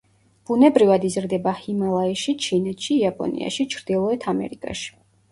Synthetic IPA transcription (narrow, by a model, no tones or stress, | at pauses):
b̥unɛbɾivad̪izɾd̪ɛbahimalˠaiʃit͡ʃʰinɛt̪ʃiːapʼɔ̰nḭa̰ʃit͡ʃʰɾd̪̥ilˠɔɛt̪ʰamɛ̰ɾikʼa̰ʃi̥